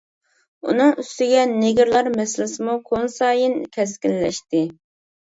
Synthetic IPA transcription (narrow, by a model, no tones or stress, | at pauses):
ṵnɨŋyst̪ɪɡʲɛnɪɡʲɪɾlˠɑɾmɛslɪsɪmukʰonsɑːjinkʲʰɛskʲɪlːɛ̰ʃt̪ɪ